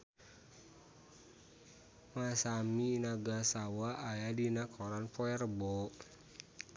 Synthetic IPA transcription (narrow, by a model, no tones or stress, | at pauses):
masamiːnaɡasawaʔːjadinakʰɔɾanpɔɛrbɔ